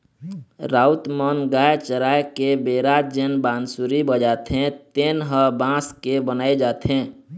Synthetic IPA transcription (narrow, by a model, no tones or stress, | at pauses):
ɾaut̪mənɡajt͡ʃəɾaekebeɾad͡ʒenbãːnsuɾibəd͡ʒat̪ɦẽt̪enɦəbãskebənaed͡ʒaːt̪ɦẽ